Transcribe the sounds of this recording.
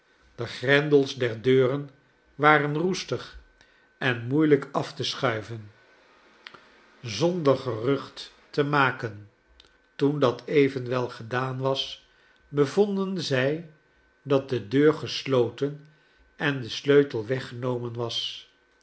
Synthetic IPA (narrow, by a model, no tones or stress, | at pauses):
d̥əχrɛndəlˠzdɛɹdøːrən | ʋaːrənrustəχ | ʔɛnmujləkɑftəsχœɥvən | zɔndəɹχərɵχtː | əmaːkən | tundɑtʰejvənʋɛlˠχədaːnʋɑs | bəvɔndənzɛj | dɑt̚dədøːɹχəslowtən | ʔɛndəsløɥtəlˠʋɛχənowmənʋɑs